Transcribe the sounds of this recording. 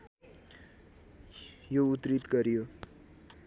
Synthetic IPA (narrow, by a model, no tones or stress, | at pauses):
jout̪ɾit̪kʌɾijo